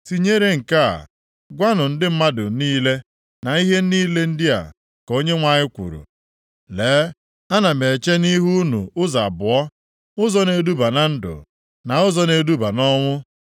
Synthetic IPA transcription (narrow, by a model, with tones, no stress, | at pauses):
si˨ɲe˦ɾe˦ŋ̩˨ka˦a̰˨ | ɡʷa˦nʊ˨n̩˦dɪ˦m̩˦ma˦dʊ˨niː˦le˦ | na˨i˦ɦe˦niː˦le˦n̩˦dɪ˦a̰˨ | ko˦ɲe˦ŋʷa˨ɲɪ˦kʷṵ˨ɾṵ˨ | leː˨˦ | a˦na˨me˨t͡ʃe˦ni˦ɦu˦nṵ˨ʊ˦za˨bʊ˨ɔ˦ | ʊ˦zɔ˦ne˦du˦ba˨na˨n̩˦dʊ̰˨ | na˨ʊ˦zɔ˦ne˦du˦ba˨nɔ˦ŋʷʊ˦